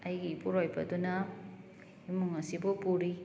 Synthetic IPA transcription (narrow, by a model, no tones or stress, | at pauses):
ɐjɡipuɾojbɐdunɐ | imuŋɐsibupuɾi